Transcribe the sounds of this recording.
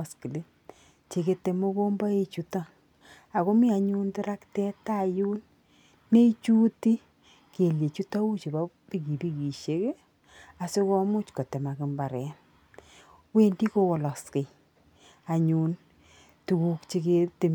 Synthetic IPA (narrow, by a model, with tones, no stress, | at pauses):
ski˨le˦ | t͡ʃe˨ke˧te˨mo˦ko˦mba˦e˦t͡ʃu˦ta˦ | a˨ko˦mi˦a˨ɲu˦ntɪ˦ɾa˦ktɛ˦ta˦˨ju˦n | me˦it͡ʃu˦ti˦ | ke˨le˨t͡ʃu˦ta˦u˦t͡ʃe˨ba˦ | pi˦ki˨pi˦ki˨ʃe˨˦ke˦ | a˨se˦kɔ˦mʊ˦t͡ʃko˨te˨ma˨kɪ˨mba˨ɾɛ˨n | we˦ndi˦ko˦wɔ˨lɔ˨ske˨ | a˨ɲu˨n | tu˨ku˦kt͡ʃe˨˦kete˨